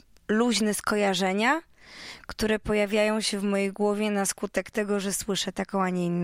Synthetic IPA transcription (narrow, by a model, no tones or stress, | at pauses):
luʑnɛskɔjaʐɛɲa | kt̪uɾɛpɔjavʲjajɔ̃w̃ɕɛvmɔjejɡwɔvʲjɛnaskut̪ɛkt̪ɛɡɔʐɛswɘʂɛt̪akɔ̃w̃aɲɛinː